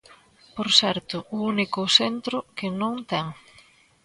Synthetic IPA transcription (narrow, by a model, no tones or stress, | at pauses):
poɾsɛɾt̪ʊʊunikʊsent̪ɾʊkɪnõŋt̪ɛŋ